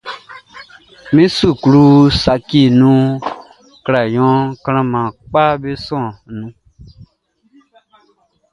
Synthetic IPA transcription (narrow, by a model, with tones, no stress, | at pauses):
mĩ˦su˦˨ku˨ɾu˦sa˨ki˦˨nũ˦ | kɾa˨jɔ̃˨˦kã˦ɾ̃ã˦mã˨k͡pa˦be˦sɔ̃˦˨nũ˨˦